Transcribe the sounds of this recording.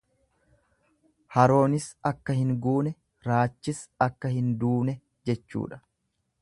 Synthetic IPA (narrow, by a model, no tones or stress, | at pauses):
hɐɾo̞ːnɪsɐkːɐhɪŋɡuːnɛ | ɾaːt͡ʃːɪsɐkːɐhɪnd̪uːnɛ | d͡ʒɛt͡ʃːṵːᶑɐ̥